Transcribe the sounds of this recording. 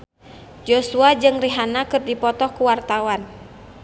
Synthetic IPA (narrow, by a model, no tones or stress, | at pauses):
d͡ʒosuad͡ʒɨŋriɦanakɨrdipɔt̪ɔhkuwart̪awan